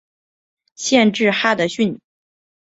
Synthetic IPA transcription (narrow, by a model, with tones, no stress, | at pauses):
ɕjɛ˥˧nʈ͡ʂɻ̩˥˩xa˥d̪ə˨ɕy˥˩n˨